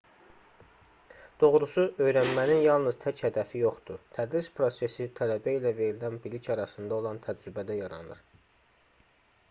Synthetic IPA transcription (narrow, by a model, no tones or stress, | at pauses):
d̪̥o̞ʁɾusuʔø̞jɾænmæninjɑlˠnɯz̥t̪ʰæchæd̪æfijo̞χd̪ut̪ʰæd̪ɾispʰɾo̞se̞sit̪ʰælæbæilæve̞ɾilænbilicʰɑɾɑsɯnd̪ɑo̞lˠɑnt̪ʰæd͡ʒɾybæd̪æjɑɾɑ̰nɯ̰ɾ̥